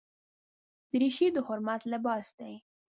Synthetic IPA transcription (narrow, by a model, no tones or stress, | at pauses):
d̪̥əɾiʃid̪əhʊɾmat̪labɑsd̪aj